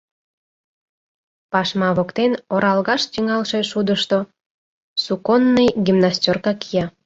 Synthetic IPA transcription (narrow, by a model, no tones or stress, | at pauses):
pɑʃmɑβokt̪enoɾɑlɣɑʃt̪iŋɑlʃeʃud̪əʃt̪o | sukonːəjɡʲimnastʲorkɑkijɑ